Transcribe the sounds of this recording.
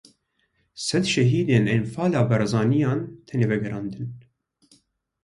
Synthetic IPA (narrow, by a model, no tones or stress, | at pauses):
sɛd̪ʃɛɦiːd̪eːnenfɑːlɑːbɛɾɛzɑːnijɑːnt̪ʰɛneːvɛɡɛɾɑːnd̪ɨn